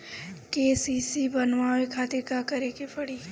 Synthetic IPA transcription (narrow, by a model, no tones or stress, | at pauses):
keːsiːsibɐnʋaekʰaːt̪ɪɾkakɐɾekepɐɽiː